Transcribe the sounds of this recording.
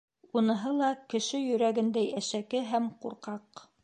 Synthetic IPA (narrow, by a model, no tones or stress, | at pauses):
unɤ̆ɦɤlˠɑkɘ̆ʃɘjɵ̆ɾæɡɘ̆nd̪æjæʃækɘɦæmquɾqɑq